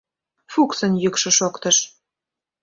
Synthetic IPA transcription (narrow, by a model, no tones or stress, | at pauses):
fuksə̆njykʃɤ̆ʃokt̪əʃ